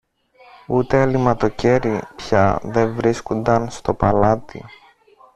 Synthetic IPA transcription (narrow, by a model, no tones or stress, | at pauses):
ut̪e̞ɐlimɐt̪o̞ce̞ɾipçɐðe̞vɾiskund̪ɐnst̪o̞pɐlɐt̪ḭ